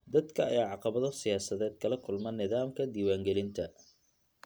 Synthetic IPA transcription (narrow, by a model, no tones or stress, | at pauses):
d̪ɐd̪kʰɐɐ̰jaːʕɑqɑβɐðɔsɪjaːsɐðɛːd̪̚kʰɐlɐkʰʊlmɐnːɪðaːmkʰɐd̪iːwaːŋɡɛlɪnt̪ʰɐ